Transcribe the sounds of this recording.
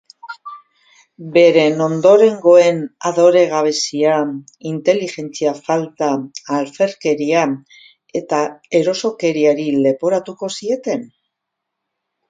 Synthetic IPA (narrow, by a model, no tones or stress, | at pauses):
be̞ɾe̞no̞nd̪o̞ɾe̞ŋɡo̞e̞naðo̞ɾe̞ɣ̞aβ̞e̞sia | int̪e̞lixe̞nt͡siafalt̪aːlfe̞ɾke̞ɾia | e̞t̪ae̞ɾo̞so̞ke̞ɾiaɾile̞po̞ɾat̪uko̞sie̞t̪e̞n